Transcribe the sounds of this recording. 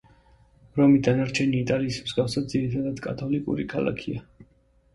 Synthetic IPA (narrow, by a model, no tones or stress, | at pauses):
ɾɔmid̪anaɾt͡ʃʰɛniːt̪ʼaliːsmzɡafsad̪ziɾit̪ʰad̪ad̪̥kʼat̪ʰɔlikʼṵɾikʰalˠa̰kʰia